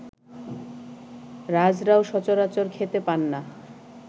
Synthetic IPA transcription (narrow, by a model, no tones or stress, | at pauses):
ɾad͡ʑɾaoʃɔt͡ɕoɾat͡ɕoɾkʰet̪epanːa